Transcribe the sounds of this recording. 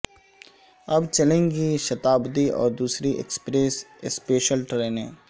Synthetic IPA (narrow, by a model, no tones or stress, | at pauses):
ɐbt͡ʃɐlẽːŋɡiʃɐt̪aːbd̪iʔɔ̰ːɾd̪uːsɾiʔḛkspɾeːsspeːʃəlʈɾeːnɦɛ̰̃ː